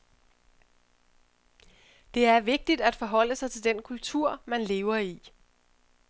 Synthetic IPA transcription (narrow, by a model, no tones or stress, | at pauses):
d̥e̝æɐʋe̝ɡ̥̚d̥id̥æd̥fɒ̽ɦɒ̽l̰əsɑ̈ɪt͡sʰe̝ld̥enkʰult͡sʰuɐ̰mænle̝ːʊɐi